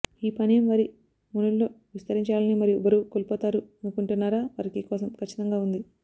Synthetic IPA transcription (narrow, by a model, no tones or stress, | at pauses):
iːpɐnijɐmʋɐɾi | munulːoː | ʋist̪ɐɾiɲt͡ʃaːlɐnimɐɾijubɐɾuːkoːlpɔːt̪aːɾunukuɳʈunːaːɾaːʋɐɾɐkikɔːsɐmkɐt͡ʃːi̥t̪ɐŋɡaːund̪i